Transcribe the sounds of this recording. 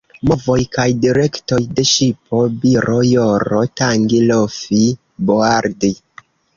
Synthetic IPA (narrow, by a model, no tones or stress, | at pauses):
mo̞vo̞jkajdiɾe̞kto̞jde̞ʃipo̞biɾojoɾotaŋɡilofi | boaɾdi